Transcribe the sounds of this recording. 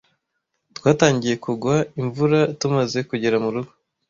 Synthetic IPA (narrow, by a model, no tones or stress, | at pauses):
twaːtaːɲɟije̞kuɡwaiɱvuɾatumaze̞kuɟeɾamuɾuɡo